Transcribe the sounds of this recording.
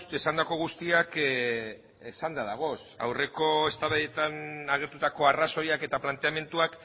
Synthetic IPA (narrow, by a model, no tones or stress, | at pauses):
esand̪ako̞ɣ̞ust̪iak | esand̪aðaɣ̞o̞sa̰wre̞ko̞e̞st̪aβaðe̞t̪anaɣ̞e̞ɾt̪ut̪ako̞araso̞jake̞t̪aplant̪e̞ame̞nt̪uak